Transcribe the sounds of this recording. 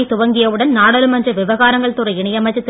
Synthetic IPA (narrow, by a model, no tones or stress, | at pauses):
ɪt̪ʊʋɐŋɡɪjɐʋɯɽɐnnaːɽɐlɯmɐndrɐʋɪʋɐɣaːɾɐŋɡɐɭt̪ʊɾɐɪɳɐjɐmɐɪt͡ʃːɐt̪ː